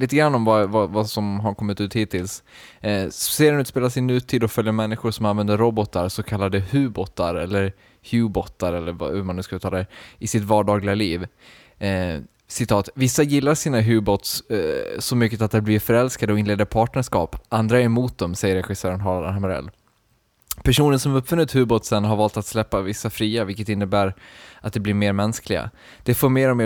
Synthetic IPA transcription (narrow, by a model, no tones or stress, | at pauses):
liːt̪̬əɡɾanːɔmvavavasɔmɦaɾkʰɔmːɪt̪ʉ̟ːt̪hiːt̪ʰːɪls | seːɾɛnʉ̟t̪speːlasɪnːʉ̟ːt̪ʰiːd̪ɔfœljəmɛnːɪɧʊɾʂɔmanvɛnd̪əɾːɔbɔt̪aɾsɔkʰalːad̪əhʉ̟ːbɔt̪ːa̰ɾɛlːəɾ | hjʉːbɔt̪ːaɾɛlːəɾv̰hʉmanʉskalʉːt̪ʰɑldɛɪsɪt̪vɑːɖɑːɡlɪɡaliːv | sɪt̪ʰɑːt̪vɪsːajɪlːaʂiːnaɦʉːbɔt̪ssɔmʏkːət̪at̪̚d̪ɛblɪɾfœɾɛlskad̪əɔɪnleːd̪əɾpʰɑːʈɳəʂkɑ̰ːpʔand̪ɾaɛɾmuːt̪̚d̪ɔmsɛjəɾɛɧɪsœːɾənɦɑːlaamaɾɛ̰lː | pʰæʂuːnənsɔmɵpːfɵnːɪt̪hʉ̟ːbɔt̪sɛnɦaɾvɑːlt̪at̪slɛpːavɪsːafɾiːavɪlkːət̪ɪnːəbæːɾʔat̪̚d̪ɛblɪɾmeːɾmɛnsklɪɡa̰ | d̪̥ɛfoːɾmeːɾɔmeː